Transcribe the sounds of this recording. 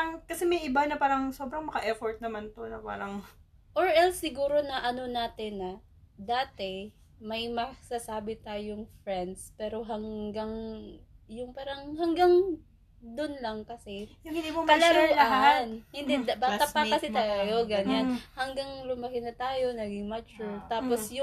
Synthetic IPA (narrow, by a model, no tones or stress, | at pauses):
ɐŋkɐsɛmɐjʔɪbanɐpaːɾɐŋsobɾɐŋmɐkɐʔɛfoɹt̪̚nɐmant̪onɐpa̰ːɾɐŋ | ʔoɹʔɛlsːɪɡuːɾo̞nɐʔɐno̞naːt̪ɪnːɐ | d̪aːt̪ɛ | mɐjmɐsasaːbɪt̪aːjoŋfɾɛnd̪spɛːɾo̞ɦɐŋɡaŋ | jʊŋpaːɾɐŋhɐŋɡaŋ | d̪onlɐŋkɐsɛjʊŋhɪnd̪imomkɐlɐɾuɐanhɪnd̪ɛd̪baːt̪ɐpɐkɐsɪt̪ajoɡɐɲanhɐŋɡaŋlʊmɐkɪnɐt̪aːjo̞nɐɡɪŋmɐt͡ʃʊɹt̪aːposjʊ